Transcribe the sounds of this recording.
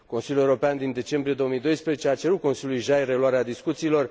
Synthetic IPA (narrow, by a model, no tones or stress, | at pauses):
ko̞nsilʲjuleuɾopeand̪ind̪e̞t͡ʃe̞mbɾije̞d̪oomijd̪o̞jspɾezet͡ʃeat͡ʃe̞ɾut̪̚ko̞nsiljulujʒajre̞luwaɾead̪iskut̪siːlo̞r